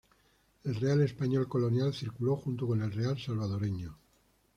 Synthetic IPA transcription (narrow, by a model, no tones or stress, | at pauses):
e̞lre̞ale̞spaɲo̞lko̞lo̞njalθiɾkuloxunt̪oko̞ne̞lrealsalβ̞að̞o̞ɾeɲo